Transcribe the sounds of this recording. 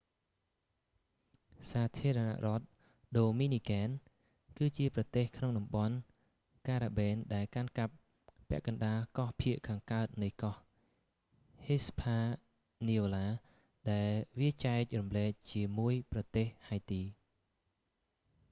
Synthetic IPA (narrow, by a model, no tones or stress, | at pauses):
saːt̪ʰiəɾɑna̰ʔrŏət̪̚ | ɗoːmiːniːkɛːn | kɨːt͡ɕiəprɑt̪eːhkʰnoŋɗɑmɓɑn | kaːɾaːɓɛːnɗaɛlkankap̚ː | ɛ̆əʔkɑnɗaːkɑhpʰiəʔkʰaːŋkaət̪̚nɨjkɑh | hespʰaː | niːoːlaː | ɗaɛlʋiət͡ɕaɛk̚rɑmlɛːk̚t͡ɕiəmuəjprɑt̪eːhhajt̪iː